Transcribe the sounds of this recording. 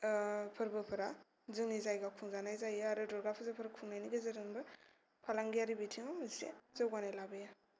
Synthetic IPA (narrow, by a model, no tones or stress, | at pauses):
pʰɯɾbɯpʰɯɾa | zɯŋnizajɡakʰuŋzanajzajaaɾɯdɔɾɡapʰɯzapʰɯɾakʰuŋnajniɡezaɾɯnbɯ | pʰalaŋɡijaɾibitʰiŋamzsḛzawɡanajlabɯja